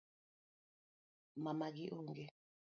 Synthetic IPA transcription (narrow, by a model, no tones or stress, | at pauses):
mamaɡiʔoŋɡe